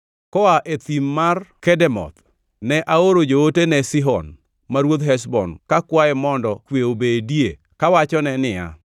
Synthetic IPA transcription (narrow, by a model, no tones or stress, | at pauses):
kɔaʔet̪imːarkɛdɛmɔ̰t̪ | nɛʔaoɾod͡ʒootenɛsiɦɔn | maɾwod̪ɦɛs̬bɔ̰nkakwaɛmɔndɔkweobedje | kawat͡ʃɔnɛnɪja̰